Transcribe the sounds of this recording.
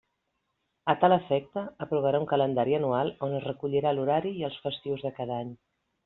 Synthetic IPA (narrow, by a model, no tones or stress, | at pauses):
ət̪aləfɛk̚t̪əəpɾuβəɾauŋkələnd̪aɾiənualˠonəzrəkuʎiɾaluɾaɾiːəlˠsfəst̪iwzðəkaðaɲ